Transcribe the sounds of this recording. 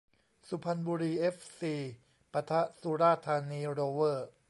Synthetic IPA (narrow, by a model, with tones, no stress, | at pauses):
su˧˩pʰa˧nbuː˧ɾiː˧ʔe˦˥fsiː˧ | pa˧t̪ʰa˦˥ʔsu˧ɾaː˥˩t̪ʰːaː˧niː˧ɾoː˧wɤː˥˩